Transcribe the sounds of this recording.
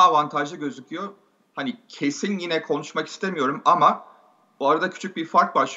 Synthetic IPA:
avant̪ʰaʒɯɟø̞zycʰyjo̞ | hanicʰe̞sinjinɛkʰo̞nuʃmaki̥st̪ʰemijo̞ɾumama | boaɾad̪acʰy̥t͡ʃʰyc̚biɾfaɾk̚baʃˠ

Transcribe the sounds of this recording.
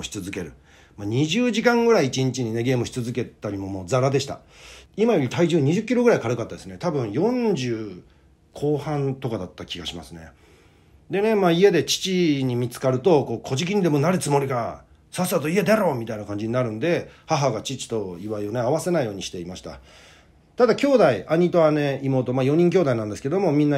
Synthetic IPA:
ɕi̥t͡sɨzɨke̞ɾɯ̟ | maːɲ̟iʑɨːʑikãŋɡɯ̟ɾaiːt͡ɕiɲ̟it͡ɕiɲ̟ine̞ɡe̞ːmɯ̟ɕi̥t͡sɨzɨke̞t̪ːaɾʲimo̞mo̞ːd͡zaɾad̪e̞ɕi̥t̪a̰ | imajo̞ɾʲit̪ʰaiʑɨːɲ̟iʑɨkʲːiɾo̞ɡɯ̟ɾaikaɾɯkat̪ːad̪e̞sɨne̞t̪abɯ̟̃ɰ̃jõ̞ɲd͡ʑɨː | kʰo̞ːhãnt̪o̞kad̪at̪ːakʲiɡaɕima̰sɨne̞̰ | d̪e̞ne̞maːie̞d̪e̞t͡ɕi̥t͡ɕiɲ̟imʲit͡sɨ̥kaɾɯ̟t̪o̞ko̞ːkʰo̞ʑik̬ʲiɲ̟id̪e̞mo̞naɾɯt͡sɨmo̞ɾʲika | sasat̪o̞ie̞d̪aɾo̞ːmʲit̪ainakãɲ̟d͡ʑiɲinaɾɯ̟̃nd̪e̞haɦaɡat͡ɕit͡ɕi̥t̪o̞iβaio̞ne̞aβase̞naijo̞ːɲ̟iɕi̥t̪e̞imaɕi̥t̪a̰ | t̪ad̪akʲo̞ːd̪aiʔaɲ̟it̪o̞ane̞imo̞ːt̪o̞maːjo̞ɲ̟ĩŋk̬ʲo̞ːd̪ainãnd̪e̞sɨ̥ked̪o̞mo̞mʲĩnːa

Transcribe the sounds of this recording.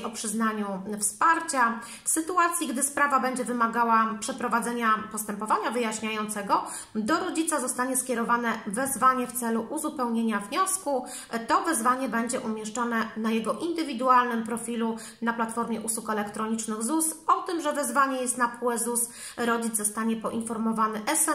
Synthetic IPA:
ʔɔpʂɘznaɲufspaɾt͡ɕa | fsɘt̪uat̪sʲjiɡd̪ɘspɾavabɛɲd͡ʑɛvɘmaɡawapʂɛpɾɔvad̪zɛɲapɔst̪ɛmpɔvaɲavɘjaɕɲajɔnt̪sɛɡɔ | d̪ɔɾɔd͡ʑit̪sazɔst̪aɲɛskʲɛɾɔvanɛvɛzvaɲɛft̪sɛluʔuzupɛwɲeɲavɲɔsku | t̪ɔvɛzvaɲɛbɛɲd͡ʑɛʔumʲjɛʂt͡ʂɔnɛnajɛɡɔʔind̪ɘvʲid̪ualnɘmpɾɔfʲilu | naplat̪fɔɾmʲjɛʔuswukɛlɛkt̪ɾɔɲit͡ʂnɘɣzusɔt̪ɘmʐɛvɛzvaɲɛjɛst̪napuɛzus | ɾɔd͡ʑid̪ɔst̪aɲɛpɔʔinfɔɾmɔvanɘʔɛsɛ

